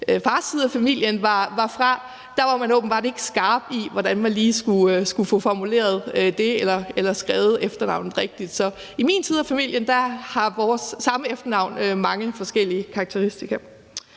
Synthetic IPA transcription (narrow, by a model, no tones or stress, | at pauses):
fɑ̈ːst͡sʰiðˠæfæmil̰jənʋɑ̈ʋɑ̈fʁɑ̈ | d̥ɑ̈ʋɑ̈mænɔ̽ːb̥m̩b̥ɑ̈ːde̝e̝ɡ̥sɡ̥ɑ̈ːb̥iʋɒd̥ænmænliːsɡ̥usɡ̥ufɔfɒmule̝̰ːɐð̞̩ˠød̥e̝elɐelɐsɡ̥ʁɛːʊð̩ˠefd̥ɐnɑ̈ʊ̰nð̩ˠʁɛɡ̥̚d̥id̥sɒ̽ | imiːnt͡sʰiːð̞ˠæfæmil̰jənd̥ɑhɑ̈ʋɒːsːɑ̈məefd̥ɐnɑ̈ʊ̰nømɑ̈ŋəfɒ̽sɡ̥el̰iəkʰɑ̈ːɡ̥̚t͡sʰeʁisd̥iɡ̥ɐ